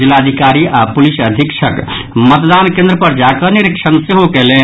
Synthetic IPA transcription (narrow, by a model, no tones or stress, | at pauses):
d͡ʒilːad̪ʱikaɾiʔapulisəd̪ʱikt͡ʃʰək | mət̪d̪ankẽnd̪ɾəpəɾd͡ʒakəniɾikt͡ʃʰənseɦokele